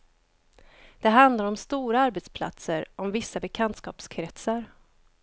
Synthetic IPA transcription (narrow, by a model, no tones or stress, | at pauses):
d̪̥ɛɦand̪laɾɔmst̪uːɾaaɾbɛt̪spʰla̰t̪səɾʔɔmvɪsːabɛkʰant̪skɑ̰ːpskʰɾɛt̪saɾ